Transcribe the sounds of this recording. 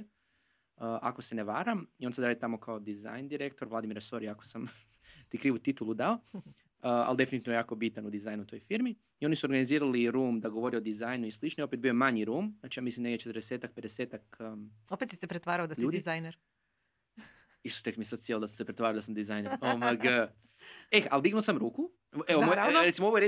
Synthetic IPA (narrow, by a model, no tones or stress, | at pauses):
əʔako̞se̞neʋaːɾamio̞nsad̪ɾaːd̪it̪amo̞kaod̪iza̰jnd̪iɾek̚t̪oɾʋlad̪imiɾaso̞ɾiako̥sam | t̪ikɾiːʋut̪it̪ulˠud̪ao | əa̰ld̪e̞finit̪inojaːko̞bit̪anud̪izaːjnut̪ojfiɾmi | io̞nisuoɾɡaniziːɾaliɾuːmd̪aɡo̞ʋo̞ɾiod̪izaːjnuislˠit͡ʃnojo̞pet̪̚biomaɲiɾuːmznaːt͡ʃijaːmislimd̪eɡd̪et͡ʃet̪əɾd̪eseːt̪ak̚ped̪eseːt̪akopet̪sisepɾet̪ʋaːɾaod̪asʎiuːd̪izajneɾ | iʃt̪o̥t̪ekmiesad̪sjelod̪assepɾet̪ʋaːɾaod̪asamd̪izajneɾoʋaɡə | exald̪iɡnosamɾuːku | eomojɾesimooʋoee